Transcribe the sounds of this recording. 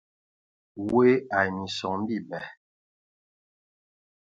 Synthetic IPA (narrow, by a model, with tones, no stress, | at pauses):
we˦a˨ni˨sɔ˨ŋm̩˦bi˦˨bɛ˨